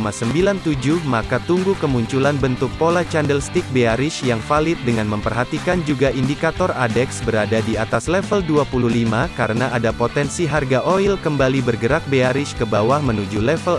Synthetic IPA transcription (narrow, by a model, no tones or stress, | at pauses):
masəmbilant̪ud͡ʒuhmakat̪uŋɡukəmuɲt͡ʃulanbənt̪ʊk̚polat͡ʃandəlst̪ik̚beaɾɪʃjaŋfalɪt̪̚dəŋanməmpərɦat̪ikand͡ʒuɡaʔindikat̪ɔradɛksbəɾadadiat̪aslɛfəlduapululimakaɾənaʔadapot̪ɛnsiɦarɡaʔoilkəmbalibərɡəɾak̚beaɾɪʃkəbawahmənud͡ʒulɛfəl